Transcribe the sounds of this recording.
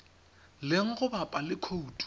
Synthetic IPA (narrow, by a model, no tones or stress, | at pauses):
lɪŋ̩ɣʊbapʼalɪkʰoutʼ